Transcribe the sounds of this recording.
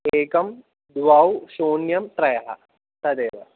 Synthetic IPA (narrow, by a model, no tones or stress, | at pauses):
eːkɐm | d̪ʋaːwɕoːnjɐmt̪ɾɐjɐɦɐ̰ | sɐd̪eːʋɐ